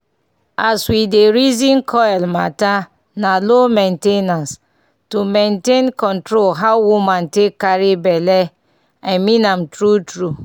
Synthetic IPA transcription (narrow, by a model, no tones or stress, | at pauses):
aswideɾizĩnkʰɔɛlma̰ta | nalomentenas | tumentenkɔntɾolɦaʊwumantekːaɾibɛle | aɪmĩnam̩tɾutɾu